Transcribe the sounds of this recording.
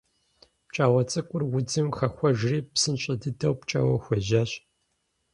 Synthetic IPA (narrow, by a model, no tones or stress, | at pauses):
pt͡ʃʼaːwɐt͡sʼɨkʷʼʊrwʊd͡zɨmxɐxʷɔʒriːpsɨnɕʼɪdɨdɐwpt͡ʃʼa̰wɐxʷɔʑaːɕ